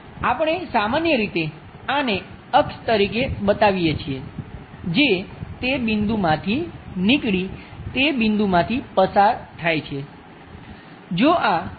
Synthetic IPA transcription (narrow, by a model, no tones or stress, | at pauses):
apəɳ̃esamanjəɾit̪e | ane | əkst̪əɾikebət̪aʋijet͡ʃʰie | d͡ʒet̪ebind̪umãt̪ʰinikɭit̪ebɪnd̪umãt̪ʰipəsaɾt̪ʰajt͡ʃʰe | d͡ʒoʔa